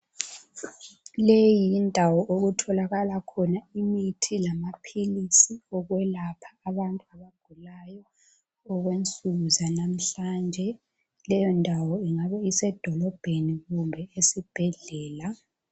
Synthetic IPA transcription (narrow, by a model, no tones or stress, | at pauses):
lejindʱawɔʔoɣutʰɔlaɣalakʰɔnaimitʰilamapʰilisiɔɣwɛlapʰḁːβantʼuaβaɡ̥ʱulajɔː | ɣwent͡sʼuɣuzanam̩ɬand͡ʒʱɛ | lɛjɔndʱawɔiŋaβɛisɛd̥ʱɔlɔb̥ʱeniɣumbʱɛesib̥ʱɛɮɛːla